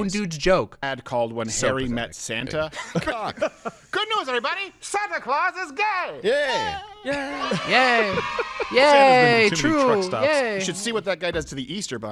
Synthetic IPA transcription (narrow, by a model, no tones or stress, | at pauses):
ndʉdd͡ʒoʊkæd̚kʰɔlˠd̚wʌ̃nhɛɹimɛtsæ̃ntə | ɡ̥ʊdⁿnuzɛvɹibɑɾisæ̃ntɨkʰl̥ɔzɪzɡeɪjæjæjæ | jæ | ɹ̥uɹʌstɑ̰jæʃɨd̥siwʌt̪̚ðɨt̚ɡ̥aɪdʌz̥tʰɨðiʔistə˞bʌ̰̃